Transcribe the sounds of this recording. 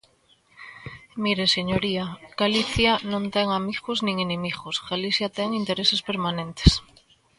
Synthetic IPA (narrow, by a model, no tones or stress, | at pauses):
miɾeseɲoɾiaɡ̥aliθjanõnt̪eŋamiɣoznĩŋenẽmiɣosɡaliθjat̪eŋint̪eɾesespeɾmanẽnt̪e̥s